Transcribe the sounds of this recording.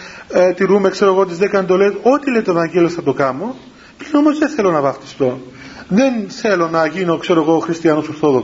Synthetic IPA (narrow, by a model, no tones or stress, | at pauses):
t̪iɾume̞kse̞ɾoeɣot̪̬izðekɐnt̪oletot̪ile̞jt̪oevɐɲɟelosɐt̪o̞kɐmo | pɾino̞mozðeθe̞lo̞nɐvɐft̪i̥st̪o̞ | ðenθe̞lo̞nɐʝino̞kse̞ɾoeɣoxɾist̪iɐnosoɾθo̞ðok